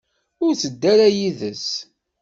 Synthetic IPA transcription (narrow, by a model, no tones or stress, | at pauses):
ʊɾt͡səd̪ːaɾajiðəs